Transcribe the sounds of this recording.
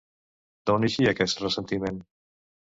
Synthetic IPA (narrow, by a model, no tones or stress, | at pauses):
d̪̥owniʃiakɛsrəsent̪imẽn